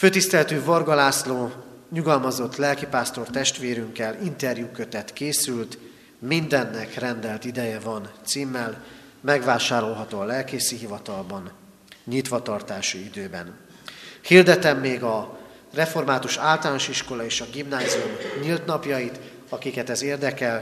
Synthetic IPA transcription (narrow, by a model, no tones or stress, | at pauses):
føːt̪ist̪ɛlɛt̪yːvorɡɒlaːsloːɲuɡɒlmɒzo̞t̪ːlɛlkipaːst̪o̞rt̪ɛʃt̪ʋeːɾyŋkɛlint̪ɛrjuːkø̞t̪ɛt̪keːsylt̪ | mind̪ɛnːɛkrɛnd̪ɛlt̪id̪ɛjɛvɒnt̪siːmːɛl | mɛɡʋaːʃaːɾo̞lɦɒt̪oːɒlɛlkeːsiɦivɒt̪ɒlbɒn | ɲit̪ʋɒt̪ɒrt̪aːʃuid̪øːbɛ̰n | hird̪ɛt̪ɛmːeːɡɒ | rɛfo̞rmaːt̪uʃaːlt̪ɒlaːnoʃiʃko̞lɒeːʃɒɡimnaːziumɲilt̪nɒpjɒjit̪ | ɒkikɛt̪ɛzeːrd̪ɛkɛl